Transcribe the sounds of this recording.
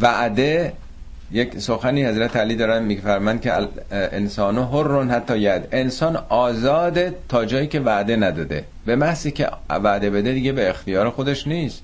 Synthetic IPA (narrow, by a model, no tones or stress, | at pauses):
væʔd̪e | jeksoxæniːhæzɾæt̪ʰeæliːd̪ɒːɾæmmiːfæɾmænd̪̚kʰeensɒːnoɦorːonhæt̪ʰːɒːjæd̪e̞nsɒːnɒːzɒːd̪et̪ʰɒːd͡ʒɒːjiːcʰʲe̞væʔd̪e̞næd̪ɒːd̪ḛ | bemæhsiːcʲʰḛvæʔd̪e̞bed̪ed̪iːɡebeːxt̪ijɒːɾexod̪eʃniːst̪